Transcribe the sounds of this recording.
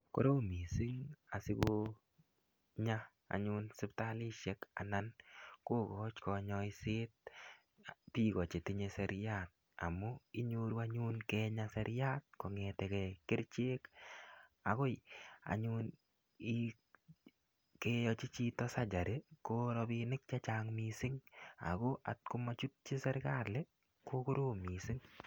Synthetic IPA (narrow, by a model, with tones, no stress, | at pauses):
ko̰˦ɾo˦mi˨si˦ŋa˨sɪ˦ko˦ | ɲa˦ | a̰˨ɲʊ˦nsɪ˦pta˦li˦ʃɛ˦ka̰˨na˦nko˦kɔ˦t͡ʃkɔ˧ɲɔ˧ɪ˦sɪ˦t̚ | pi˦kɔ˨t͡ʃe˨ti˦ɲe˦sɛɾja˦t̚ | a̰˨mɔ˦ɪ˦ɲo˦ɾu˦a˦ɲʊ˦nkɛ˧ɲa˦sɛ˦ɾja˦t̚ko˨ŋe˨tɛ˨kɛ˨kɪ˦ɾt͡ʃe˦k | a˨ko˦ja̰˨ɲun | i | kejɔt͡ʃi˦t͡ʃi˦tɔ˦sa˦d͡ʒa˨ɾekoɾɔ˧pinɪ˦k̚t͡ʃat͡ʃaŋmisɪ˦ŋa̰˨ko˦ʔa̰˨t̚ku˦ma˦t͡ʃu˦t̚t͡ʃi˦sɛɾka˦le˦ | ko˦ko˦ɾoː˦mi˨sɪ˦ŋ